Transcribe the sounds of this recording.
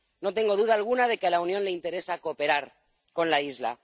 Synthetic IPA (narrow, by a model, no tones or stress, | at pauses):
no̞t̪e̞ŋɡo̞ð̞uð̞aːlɣunaðe̞kealaunjonle̞int̪e̞ɾe̞saːko̞pe̞ɾaɾ | ko̞nlaizla̰